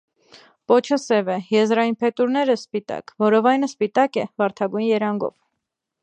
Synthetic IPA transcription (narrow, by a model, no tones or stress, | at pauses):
pɔt͡ʃʰəsɛvɛjɛzɾɑjinpʰɛt̪uɾnɛɾəspit̪ɑ̰kvɔɾɔvɑjnəspit̪ɑkɛvɑɾt̪ʰɑɡujnjɛɾɑŋɡɔ̰v